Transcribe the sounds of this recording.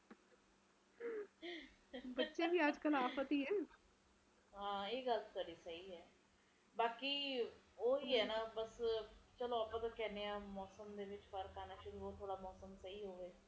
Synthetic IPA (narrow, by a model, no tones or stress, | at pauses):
bətːʃeːbiːəd͡ʒkəlaːfət̪iːɦɛː | ɦãːeːɡəlsəɾiːsəɦiːɦɛː | baːkiː | oːɦiːɦɛːnãːbəst͡ʃəloːaːpãːt̪ãːkɛːneːãːmɔːsəmd̪eːʋɪt͡ʃfʰəɾkaːnaːʃʊɾuːoːt̪ʰoːɽaːmɔːsəmsəiːɦoːʋeː